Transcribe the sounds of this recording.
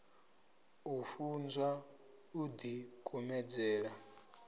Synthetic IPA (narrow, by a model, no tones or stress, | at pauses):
ufund͡zwa | ud̪ikʼumɛd͡zɛːɺa